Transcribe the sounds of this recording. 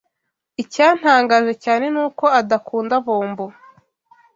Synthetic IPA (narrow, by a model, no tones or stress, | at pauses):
icaːn̥haːŋɡaʒecaːne̞nuːko̞adakʰuːndaβoːmbo